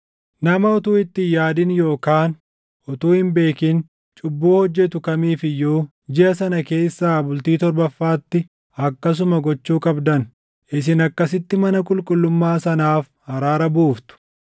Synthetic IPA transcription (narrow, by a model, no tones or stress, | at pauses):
nɐmɐɔt̪uːɪt̪ːɪjaːd̪ɪnjo̞ːkaːn | ʔɔt̪uːhɪmbe̞ːkɪn | t͡ʃʼʊbːuːhɔd͡ʒːɛt̪ʊkɐmiːfɪjoː | d͡ʒɪʔɐsɐnɐke̞ːsːaːbʊlt̪iːt̪ɔɾbɐfːaːt̪ːɪ | ɐkːɐs̬ʊmɐɡɔt͡ʃːuːkʼɐbd̪ɐn | ʔɪs̬ɪnɐkːɐs̬ɪt̪ːɪmɐnɐkʼʊlkʼʊlːʊmːaːsɐnaːf | hɐɾaːɾɐbuːft̪ʊ̥